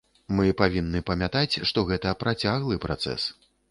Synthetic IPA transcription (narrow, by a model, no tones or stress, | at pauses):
mɨpavʲinːɨpɐmʲat̪at͡sʲʂt̪ɔɣɛt̪ɐpɾat͡sʲaɣlˠɨpɾʔa̰t̪sɛ̰s